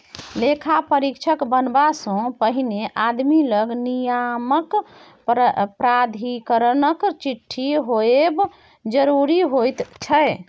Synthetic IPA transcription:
lekʰapəɾikt͡ʃʰəkbənbasɔ̃pəɦineʔad̪miləɡnijamək | pɾad̪ʱikəɾənəkt͡ʃiʈʰːiɦoeb | d͡ʒəɾuɾiɦojt̪t͡ʃʰəj

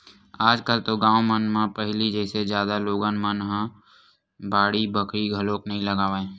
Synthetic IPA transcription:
aːd͡ʒkəlt̪oɡãːomənmãpəɦlid͡ʒɛːsed͡ʒjaːd̪aloːɡanmənɦã | baːɽibəkɾiɡʱəloːknəɦĩləɡaːʋaẽː

